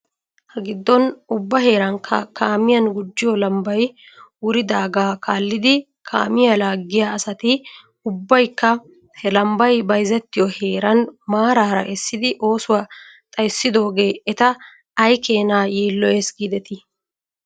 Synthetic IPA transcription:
hɐɡɪd̪ːɔnʊbːɐhe̞ːɾɐŋkʰɐkaːmɪjɐnɡʊd͡ʒːɪjɔlɐmbɐj | wʊɾɪd̪aːɡaːkʰaːlːɪd̪ɪ | kʰa̰ːmɪjalaːɡːɪjaɐsɐt̪ɪ | ʊbːɐjkːɐ | hɛlɐmbɐjbɐjzɛt̪ːɪjɔhe̞ːɾɐnmaːɾaːɾɐ̰ʔɛsːɪd̪ɪʔo̞ːsʊwɐ | t̪ʼɐjsːɪd̪o̞ːɡe̞ːɛt̪ɐː | jke̞ːnaːjiːlːɔjɛsɡid̪ɛt̪ɪ

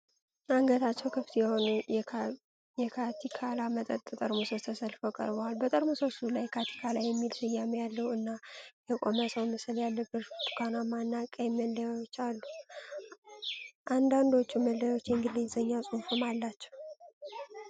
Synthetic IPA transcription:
maŋɡət̪ʰat͡ʃːɛwkʰɨft̪jɛho̞nu | jɛkʰat̪ʰikʰalamət̪ʼət̪ʼːt̪ʼəɾmusət̪ʰəsəlfəkʼə̰ɾbowalbət̪ʼəɾmusosulajkʰat̪ʰi̥kʰalajːɛmːilsɨjːamejalːəwɨnːajɛkʼoməsəwməsɨljalːəbɨɾt̪u̥kʰanamanːakʼəjməlːajwot͡ʃːalːu | ʔand̪and̪o̞t͡ʃːuməlːəjwot͡ʃːjɛŋɡɨlːezəɲːasʼunfəmalːat͡ʃːɛw

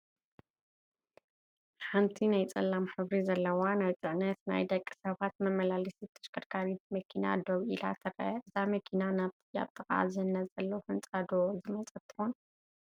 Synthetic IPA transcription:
ħamt̪ʰinajt͡sʼɐlːamħɨβɾizɐlːɐwanajt̪ʼɨʕnɐt̪na̰jd̪ɐkʼːi̥sɐβat̪mɐmɐlalisit̪ʰɐ̥ʃkʰɨɾkʰaɾit̪mɐkʰina̰d̪oβʔila̰t̪ʰɨɾɐ̰ɨzamɐkʰinanaβt̪ʰɨja̰βt̪ʰɨkʼa̰zɨnːɐzʼɐlːɐwfɨnt͡sʼad̪ozɨmɐt͡sʼɐt̪ʰːɨ̥xon

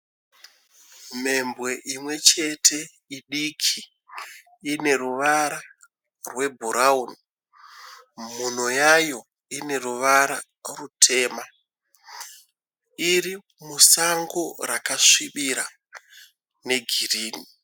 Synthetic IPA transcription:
me̞mbwe̞ʔimwe̞t͡ʃe̞tʰe̞ | iɗikʰiː | ne̞ɾuʋaɾa | rwe̞bʱuɾʔauni | mun̤ojajo̞ | ine̞ruʋaɾa | rutʰe̞ːma | iri | musaŋɡo̞rakaʂiɓiɾa | ne̞ɡʱiriːni

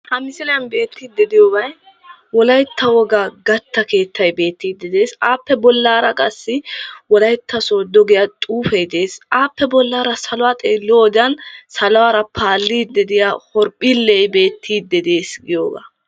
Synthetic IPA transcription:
hɐmɪsɪlɐjɐnbe̞ːt̪ːiːd̪ːɛd̪ɪjoɡɐj | wɔlɐjt̪ːɐwɔɡaɡɐt̪ːɐke̞ːt̪ʰːɐjbe̞ːt̪ːiːd̪ːɛd̪e̞ːsaːpːɛbɔlːaːɾɐkʼɐsːɪwɔlɐjt̪ʰːɐsoːd̪ɔɡɪjɐt̪ʼuːfɛjd̪e̞ːsʔaːpːɛbɔlːaːɾɐsɐlʊwaːt̪ʼeːlːoːd̪ɐnsɐlʊwaːɾɐpʰaːlːiːd̪ɛd̪ɪjahɔɾpʼilːɛjbe̞ːt̪ʰːiːd̪ːɛd̪e̞ːsɡɪjoːɡa̰ː

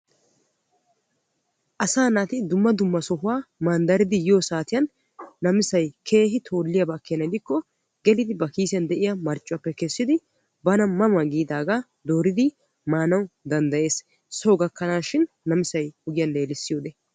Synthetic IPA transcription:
ʔɐsaːnaːt̪ɪd̪ʊmːɐd̪ʊmːɐsɔɦʊwaːmɐnd̪ɐɾɪd̪ɪjjoːsaːt̪ɪjɐnː | ɐmɪsɐjkʰe̞ːɦɪt̪ʰo̞ːlːɪjɐbɐkːɪjnɐd̪ɪkːɔ | ɡɛlɪd̪ɪbɐkiːsɪjɐnd̪ɛʔɪjɐmɐɾt͡ʃʼːʊɐpːɛkɛsːɪd̪ɪ | bɐnɐmɐmɐɡiːd̪aːɡa | d̪oːɾɪd̪ɪ | maːnɐwd̪ɐnd̪ɐje̞ːs | sɔwɡɐkːɐnaːʃɪnːɐmɪsɐjɔɡɪjɐnle̞ːlɪsːɪjo̞ːd̪ɛ

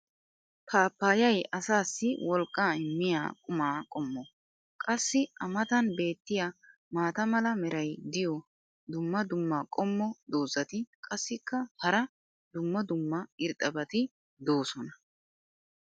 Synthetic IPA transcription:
pʰaːpːaːjɐjɐsaːsːɪwɔlkʼːaːɪmːɪja̰ːkʼʊmaːkʼɔmːɔ | kʼɐsːɪʔɐmɐt̪ɐnbe̞ːt̪ːɪja | maːt̪ɐmɐlɐmɛɾɐjd̪ɪjɔ | d̪ʊmːɐd̪ʊmːɐkʼɔmːɔd̪o̞ːzɐt̪ɪkʼɐsːɪkːɐhɐɾɐ | d̪ʊmːɐd̪ʊmːɐɪɾt̪ʼːɐbɐt̪ɪ | d̪o̞ːsɔnɐ

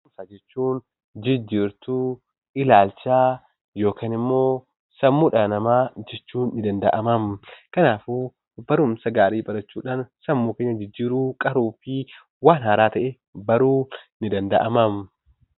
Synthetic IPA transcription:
msad͡ʒɛt͡ʃːuːn | d͡ʒɪd͡ʒːiːɾt̪uː | ɪlaːlt͡ʃaː | jo̞ːkaːnɪmːo̞ː | sɐmːuːᶑanɐmaːd͡ʒɛt͡ʃːuːnːɪd̪ɐnd̪ɐ̰ʔɐmɐmkɐnaːfu | bɐɾʊmsɐɡaːɾiːbʼɐɾɐt͡ʃːuːᶑaːnsɐmːuːkeːɲːɐd͡ʒɪd͡ʒːiːɾuːkʼɐɾuːfɪ | waːnhaːɾaːt̪ɐʔɛ | bɐɾuːnɪd̪ɐnd̪ɐʔɐmɐm

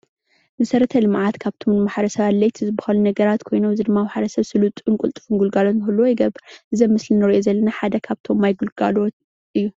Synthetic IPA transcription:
mɐsɐɾɐt̪ʰɐlɨmʕat̪kʰaβt̪ʰo̞mnɨmaħɾɐsɐβalɐjt̪ʰzɨbɨxɐlunɐɡɐɾat̪kʰo̞jnoɨzɨd̪ɨmːawaħɾɐsɐβsɨlut̪ʼɨŋkʼult̪ʼɨ̥fuŋɡulɡalot̪nɨxɨlːuwojɪɡɐβɨɾʔɨzɐmːɨslinɨɾiʔozɐlːɐnaħad̪ɐkʰaβt̪ʰo̞mːajɡulɡa̰lot̪ | ʔɨjːu

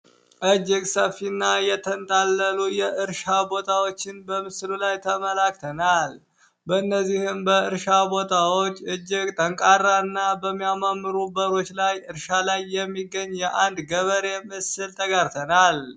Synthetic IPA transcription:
ʔɨd͡ʒɪɡsəfːinːajɛt̪ʰənt̪ʼalːəlujɛʔɨɾʃabo̞t̪ʰawo̞t͡ʃːɪnbəmɨslulajt̪ʰəməlakt̪ʰənal | bəɨnːəzːihɨmbəɨɾʃabo̞t̪ʰawot͡ʃːɨd͡ʒːɪɡt̪ʼəŋkʼaɾːanːabəmːijamamːɨɾubəɾo̞t͡ʃːlajɨɾʃalajːɛmːiɡəɲːjɛʔand̪ɡəβəɾe̞mɨsɨlt̪ʰəɡaɾt̪ʰənal

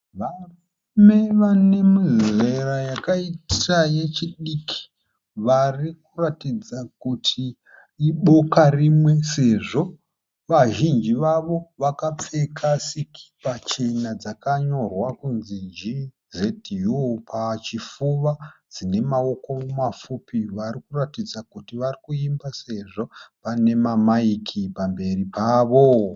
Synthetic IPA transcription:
ʋaro | me̞ʋane̞mizerajakaitaje̞t͡ʃiɗikʰi̥ | ʋarik̚uratid͡zakutʰiː | ɓo̞karimwe̞se̞ʐo̞ | ʋaʒind͡ʒiʋaʋo̞ʋakap͡fe̞kʰasikʰi̥pat͡ʃe̞nad͡zakaɲo̞rwakunzind͡ʒi | ze̞tijupʰat͡ʃifuʋad͡zine̞mao̞ko̞mumafupiʋarikuratid͡zakutiʋarikuimbase̞ʐo̞pane̞mamaikʰipambe̞ripʰaːʋo̞

